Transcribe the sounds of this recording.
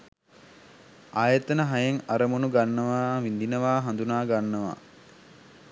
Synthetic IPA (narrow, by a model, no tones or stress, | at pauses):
aːjət̪ənəɦajeŋaɾəmunuɡanːəʋaːʋind̪inəʋaːɦand̪unaːɡanːəʋa̰ː